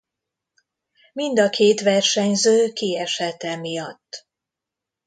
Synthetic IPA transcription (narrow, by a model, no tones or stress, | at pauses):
mind̪ɒkʰeːt̪ʋɛrʃɛɲzøːkiɛʃɛt̪ɛmijɒt̪ː